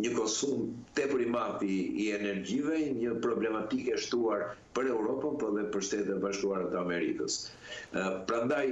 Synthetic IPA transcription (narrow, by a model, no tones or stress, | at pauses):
ɲəkɔsumt̪ɛpəɾimat̪iiɛnɛɾɟivɛɲəpɾɔblɛmat̪ikɛʃt̪uaɾpəɾɛwɾɔpanpɔðɛpəɾʃt̪ɛt̪ɛbaʃkuaɾat̪əamɛɾḭkəs | pɾand̪aj